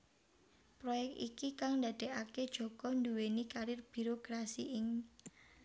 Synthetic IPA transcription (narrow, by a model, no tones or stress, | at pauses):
pɾojɛk̚t̪ḭkikaŋnd̪a̤d̪̥e̤aked̥ʒ̥ɔ̤ɡ̥ɔnd̪uwenikaɾɪrb̥i̤ɾokɾasiʔɪŋ